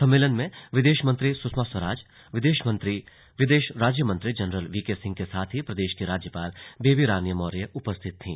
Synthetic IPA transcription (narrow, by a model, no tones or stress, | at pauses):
sɐ̃mːeːlənmẽʋɪd̪eːʃmɐ̃nt̪ɾisʊsʰmaswəɾaːd͡ʒ | ʋɪd̪eːʃmɐ̃nt̪ɾi | ʋɪd̪eːʃɾaːd͡ʒjəmə̃nt̪ɾid͡ʒɐnɾəlʋiːkesɪ̃ŋɡ̚kesaːt̪ʰɦipɾɐd̪eːʃkiɾaːd͡ʒjəpaːlbeːbiɾaːnijəmɔːɾijəʔʊpəst̪ʰɪt̪ːʰḭ̃ː